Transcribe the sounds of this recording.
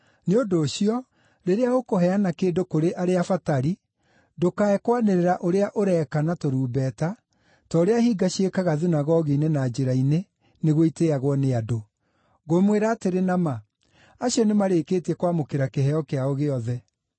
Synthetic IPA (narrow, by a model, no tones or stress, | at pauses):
neodoːɕiɔ | ɾeɾeaɣokoɦɛanakeːdokoɾeʔaɾeafataɾi | dokaɛkwaneɾeɾaʔoɾeaʔoɾɛkanatoɾuːbɛta | tɔːɾeahiɡaɕekaɣaðunaɣɔɣiːnenaːd͡ʒeɾaine | neɣoiteaɣwɔneado | ɣomweɾaːteɾenama | aɕiɔnemaɾekeːtɛkwamokeɾakeɦɛɔkeaoɣeɔðɛ